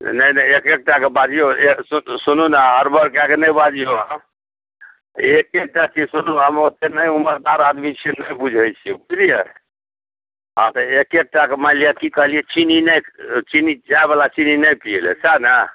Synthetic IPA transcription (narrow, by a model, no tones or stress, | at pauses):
nəjnəjekek̚ʈakebad͡ʒijoesusununaɦəɾbəɾkeakenəjbad͡ʒijoa | ekek̚ʈat͡ʃisunuɦəmot̪enəjuməɾd̪aɾad̪mit͡ʃʰinəjbud͡ʒʱɛjt͡ʃʰibud͡ʒʱlijɛ | a̰t̪ɔekek̚ʈakemalijakikəɦlijɛt͡ʃininəjt͡ʃinid͡ʒajbalat͡ʃininəjpielḛsanə